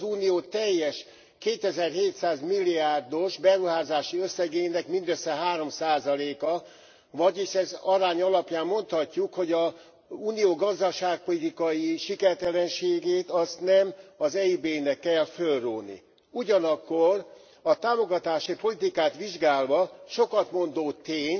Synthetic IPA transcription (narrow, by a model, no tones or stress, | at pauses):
zuːnijoːt̪ɛjːɛʃ | keːt̪ɛzɛrɦeːt̪saːzmilːiaːrd̪o̞ʃbɛɾuɦaːzaːʃiøsːɛɡeːnɛkmind̪øsːɛɦaːɾo̞msaːzɒleːkɒ | vɒɟiʃɛzɒɾaːɲɒlɒpjaːmːo̞nt̪hɒcːukho̞ɟɒ | uːnijoːɡɒzd̪ɒʃaːk̚po̞lit̪ikɒjiʃikɛrt̪ɛlɛnʃeːɡeːt̪ɒst̪nɛmɒzɛibeːnɛkːɛlfølruːlnḭ | uɟɒnɒkːor | ɒt̪aːmo̞ɡɒt̪aːʃipo̞lit̪ikaːt̪ʋiʒɡaːlvɒʃo̞kɒt̪mo̞nd̪oːt̪eːɲ